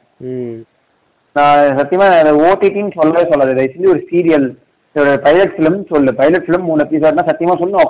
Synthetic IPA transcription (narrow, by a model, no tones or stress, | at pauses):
nãːsɐt̪ːɪjɐmaːnãːɪðɐoːʈːiʈːiŋsɔlːaːðesɔlːɐðɯðɐɪsɪnd̪iɔɾɯsiːɾɪjɐl | ɽɐpɐɪlɐʈfɪlɐmsɔlːɯpɐɪlɐʈfɪlɯmːuːnɐpːiːs̬aːɾnːaːsɐt̪ːɪjɐmaːsɔlːɯnok